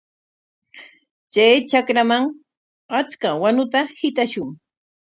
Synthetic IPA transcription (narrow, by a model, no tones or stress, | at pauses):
t͡ʃajt͡ʃakɾamaŋ | at͡skawanʊt̪ahɪt̪aʃʊŋ